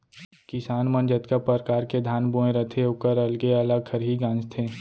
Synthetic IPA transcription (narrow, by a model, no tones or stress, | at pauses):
kɪsaːnmənd͡ʒət̪kapəɾkaːɾked̪ʱaːnbuẽɾət̪ʰeʊkəɾɐlɡeɐləɡ̚kʰəɾɦiɡãːnd͡ʒt̪ʰeː